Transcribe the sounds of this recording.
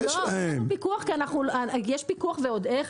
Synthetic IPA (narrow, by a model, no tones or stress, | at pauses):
loaempikuaχkianaχnulajeʃpikuaχveod̪eχ